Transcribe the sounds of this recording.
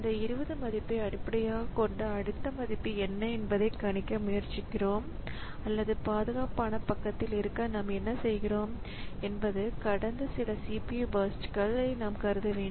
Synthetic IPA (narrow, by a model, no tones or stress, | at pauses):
ɪɪnd̪ɐɪɾɯʋɐðɯmɐðɪpːɐɪɐɽɪpːɐɽɐjaːɣɐkɔɳɖɐɐɽɯt̪ːɐmɐðɪpːiɛnːɐɛnbɐðɐɪkɐɳɪkːɐmʊjɐɾt͡ʃɪkːɪroːm | ɐlːɐðɯpaːðɯɣaːpaːnɐpɐkːɐt̪ːɪlɪɾɯkːɐnaːmɛnːɐsɛjɣɪroːm | ɛnbɐðɯkɐɽɐnd̪ɐsɪlɐsiːpijubɐsʈkɐɭɐɪnaːmkɐɾɯðɐʋeːɳɖ